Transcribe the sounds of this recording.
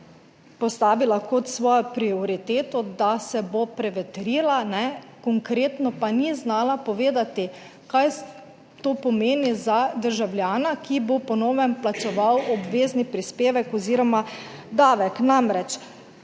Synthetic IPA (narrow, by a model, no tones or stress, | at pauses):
pɔst̪aːʋilakɔt̪sʋɔːjɔpɾioɾit̪eːt̪ɔd̪asɛbopɾɛʋɛt̪ɾiːlanɛkɔŋkɾeːt̪nɔpaniznaːlapɔʋeːd̪at̪i | kaj | t̪oːpɔmeːnizad̪əɾʒawljaːnakibopɔnɔːwʋɛmplat͡ʃɛʋawɔbʋeːznipɾispeːʋɛkɔziːɾɔma | d̪aːʋɛknamɾɛt͡ʃ